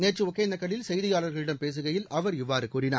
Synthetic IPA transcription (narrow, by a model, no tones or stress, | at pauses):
neːt͡ʃːɯmʊkːeːnd̪ɐkːɐɭɪlsɛjðɪjaːɭɐɾɣɐɭɪɽɐmpeːs̬ɯɣɐjɪlɐʋɐɾɪʋːaːɾɯkuːrɪna̰ːɾ